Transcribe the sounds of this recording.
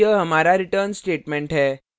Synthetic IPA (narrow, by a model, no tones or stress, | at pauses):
əɦəmaɾaɾiʈəɾnsʈeʈmeɳʈɦɛ